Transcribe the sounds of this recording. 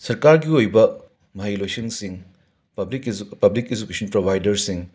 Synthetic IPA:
sɐɾkaɾɡiojbɐ | mɐɦajlojsiŋsiŋ | pɐblikezukesɐnpɾobʱajdɐɾsiŋ

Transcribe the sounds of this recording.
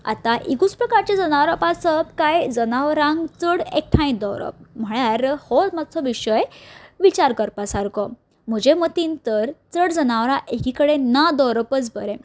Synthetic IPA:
a̰t̪aʔiɡut͡spɾəkaɾt͡ɕad͡zənaʋɾapasəbkajd͡zənaʋɾãŋɡt͡səɽek̚ʈʰãj̃d̪ɔʋɾə̰p̚m̤əɭjaɾhɔtmat͡sʰɔʋiɕəjʋit͡ɕaɾkəɾpasaɾkɔ | m̤əd͡ʑemət̪int̪əɾt͡səɽd͡zənaʋɾaʔekikəɽenad̪ɔɾəpət͡sbəɾẽ

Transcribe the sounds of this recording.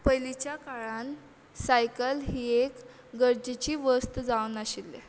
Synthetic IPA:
pəjlit͡ɕjakaɭan | sajkəlɦiːek | ɡəɾd͡ʑet͡ɕiːʋəst̪d͡zaunaɕilːḛ

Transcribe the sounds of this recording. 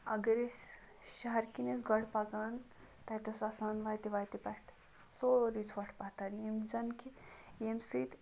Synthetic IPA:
ɐ̰ɡɐɾes | ʃɐɦɐɾkines̬ɡɐɽpaɡan | t̪ɐt̪osasanʋaːjt̪iʋajt̪ipɐʈʰ | soɾit͡sʰʋɐʈʰpat̪ɐnjemd͡ʒɐnkʰijemsit̪

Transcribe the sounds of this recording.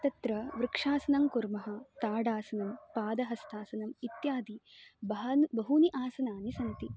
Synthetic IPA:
t̪ɐt̪ɾɐʋɾɪkʂaːsɐnɐmkuɾmɐɦɐ̆t̪aːɖaːsɐnɐmpaːd̪ɐɦɐst̪ʰaːsɐnɐmit̪jaːd̪ibɐbɐɦuniʔaːsɐnaːnisɐnt̪i

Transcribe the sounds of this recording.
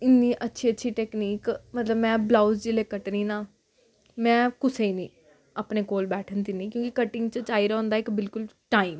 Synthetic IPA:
ɪnːiːʔətːʃʰiːətːʃʰiːʈɛːkniːkmət̪ləbmɛ̃ːblaːusd͡ʒɪleːkəʈɾĩːnaː | mɛ̃ːkʊseːinĩː | aːpneːkoːlbɛːʈʰənd̪iːnĩːkjõːkikəʈɪŋɡt͡ʃət͡ʃaːiːɾɦɔõːnd̪aːɪkbɪlkʊlʈaːiːm

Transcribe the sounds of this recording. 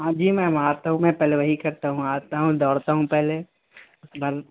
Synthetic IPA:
ɦãːd͡ʒiːmɛ̃ːmaːɾt̪aɦũmɛ̃ːpɛːleʋɐɦikɐɾt̪aɦũaːɾt̪aɦũd̪ɔːɽt̪aɦũpɛɦle | ʊsbɐɾ

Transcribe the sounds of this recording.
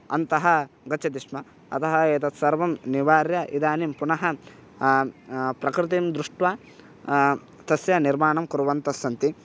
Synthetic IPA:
ɐ̰nt̪ɐɦɐ̆ | ɡɐt͡ʃʰɐt̪iʂmɐ | ɐ̰t̪ʰɐɦɐeːt̪ɐt̪sɐɾʋɐmniʋaːɾjɐʔḭd̪aːnimpunɐɦɐ | pɾɐkɾɪt̪imd̪ɾuʂʈʋa | t̪ɐsjɐniɾmaːɳɐmkuɾuʋɐnt̪ɐsːɐnt̪i

